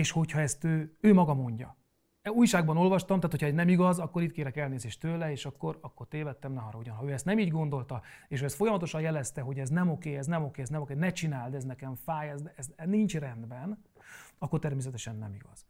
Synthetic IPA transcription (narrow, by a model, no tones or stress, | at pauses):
eːʃho̞cʰhɒɛst̪øːøːmɒɡɒmo̞ɲɟɒ̰ | uːjʃaːɡbɒno̞lvɒʃt̪ɒmt̪aːt̪hocʰhɒɛznɛmiɡɒzɒkːo̞ɾiːt̪̚keːɾɛkɛlneːzeːʃt̪øːlɛeːʃɒkːo̞ɾɒkːo̞rt̪eːvɛt̪ːɛmnɛɦɒɾɒuɟɒnɦɒøːɛst̪nɛmiːɟɡo̞nd̪o̞lt̪ɒeːʃ̬hoɛst̪fo̞jɒmɒt̪o̞ʃɒnjɛlɛst̪ɛɦo̞ɟɛznɛmo̞keːɛznɛmo̞keːɛznɛmokenɛt͡ʃinaːld̪ɛznɛkɛɱfaːjɛzd̪ɛɛzɛnint͡ʃrɛnd̪bɛn | ɒkːo̞rt̪ɛrmeːs̬ɛt̪ɛʃɛnːɛ̰miɡɒz̥